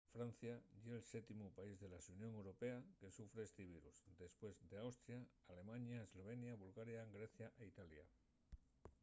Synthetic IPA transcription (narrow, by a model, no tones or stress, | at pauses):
fɾan̟θjaʎelset̪imupaizðe̞lasunjo̞ŋewɾope̞ake̞sufɾeest̪iβ̞iɾuzd̪e̞spwe̞zd̪eawst̪ɾjaːle̞mãɲaezlo̞β̞e̞njaβulɣaɾjaɡɾeθjaʔeit̪alja̰